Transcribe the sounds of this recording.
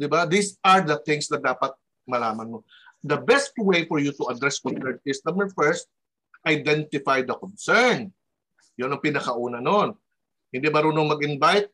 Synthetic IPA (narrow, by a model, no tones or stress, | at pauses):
d̪ɪbad̪isɐɹd̪ɐθɪ̃ŋsd̪ɐd̪aːpɐt̪̚ | mɐlaːmɐnmo | d̪ɐbɛst̪wejfɔɹjut̪ʊɐd̪ɹɛskɔnsɛɹnsɪst̪ɐmɛfɛɹst̪̚ | ʔɐjd̪ɛnt̪ɪfajd̪ɐkɔnsɛɹn | jonɐŋpɪnɐkɐʔuːnɐnon | hɪnd̪imɐɾuːnoŋmɐɡɪnbajt̪̚